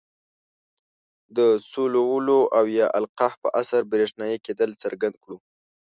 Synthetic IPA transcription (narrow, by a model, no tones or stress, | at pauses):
d̪əsolowəloʔawjɑʔa̰lqɑhpə̰ʔasaɾbɾeʂnɑjeked̪əlt͡səɾɡand̪̚kɽu